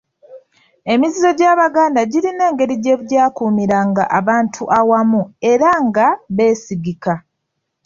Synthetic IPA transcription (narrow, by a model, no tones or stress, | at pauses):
e̞mizizo̞ɟaːβaɡaːndaɟiɾine̞ːŋɡe̞ɾiɟe̞ːβuɟaːkuːmiɾaŋɡa̰ʔaβaːntʰuʔawamue̞ɾaŋɡaβe̞ːsiɡika